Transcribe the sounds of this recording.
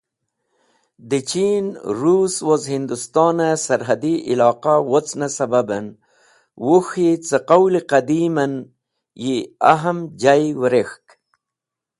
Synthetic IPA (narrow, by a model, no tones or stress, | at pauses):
d̪it͡ɕiːnɾuːswozɦind̪ust̪ɑːnasɐɾɦɐd̪iʔilɑːqawot͡snasɐbabɐn | wuxit͡səqawliqɐd̪iːmɐn | jiaɦɐmd͡ʒajwɾexk